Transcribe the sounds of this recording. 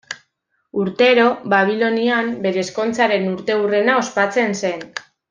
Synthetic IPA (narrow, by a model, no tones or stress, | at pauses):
uɾt̪e̞ɾo̞βaβ̞ilo̞niambe̞ɾe̞ːsko̞nt͡saɾe̞nuɾt̪e̞ure̞nao̞spat͡se̞nse̞n